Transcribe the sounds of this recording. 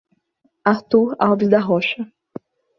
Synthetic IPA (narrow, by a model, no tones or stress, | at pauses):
aɾt̪uɾawvizd̪ɐɦɔʃɐ